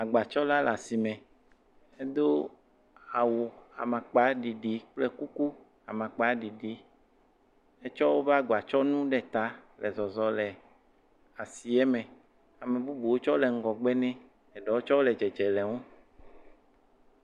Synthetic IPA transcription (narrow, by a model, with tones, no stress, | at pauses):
a˨ɡ͡ba˨t͡ʃɔ˦la˦la˨si˨mɛ̃˨ | e˦d̪o˦ | a˨wo˨a̰˨mã˨k͡pa˨˦ɖi˨ɖi˨k͡plɛ˦ku˦ku˦ | a˨mã˨k͡pa˦ɖi˨ɖi˨˦ | e˦t͡ʃɔ˦wo˦va˦ɡa˨t͡ʃɔ˦nũ˦ɖɛ˦t̪a˦lɛ˨zɔ˨zɔ˨lɛ˨ | a˨si˨ɛ˦mɛ̃˨ | a˨mẽ˨bu˦bu˨wo˦t͡ʃɔ˦lɛ˨ŋ̩˦ɡɔ˨ɡ͡bɛ˦nɛ̃˦ | ɛ˨ɖɔ˨˦wo˦t͡ʃɔ˦o˦lɛ˨d͡ʒɛ˨d͡ʒɛ˨lɛ˨ŋo˦